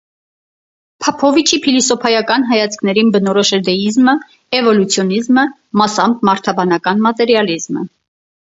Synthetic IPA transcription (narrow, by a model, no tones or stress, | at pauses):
pʰɑpʰɔvit͡ʃʰipʰilisɔpʰɑjɑkɑn̪ɦɑjɑt͡sʰkʰnɛɾinbənɔɾɔʃɛɾd̪ɛizmə | ɛvɔlut͡sʰjɔnizmə | mɑsɑmb̚mɑɾt̪ʰɑbɑnɑkɑnmɑt̪ɛɾjɑlizmə̰